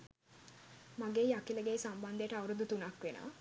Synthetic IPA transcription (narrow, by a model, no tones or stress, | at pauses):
maɡeːjakiləɡeːsamband̪ejəʈəɐwɾud̪ut̪unɐkʋena̰ː